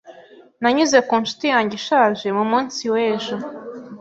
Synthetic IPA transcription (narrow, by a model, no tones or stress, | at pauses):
naɲuze̞kuːnʃu̥tijaːɲɟiʃaːʒe̞mumuːnsiweːʒo